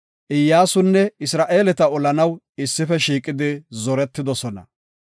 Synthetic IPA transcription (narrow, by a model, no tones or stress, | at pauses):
ʔɪjːaːsʊnːɛɪsɾaːʔe̞ːlɛt̪ɐɔlɐnɐw | ɪsːɪfɛʃiːkʼɪd̪ɪzɔɾɛt̪ːɪd̪ɔsɔnɐ̰